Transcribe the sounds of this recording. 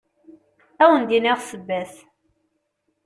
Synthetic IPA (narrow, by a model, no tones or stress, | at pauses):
æwənd̪iniʁsəbːæθ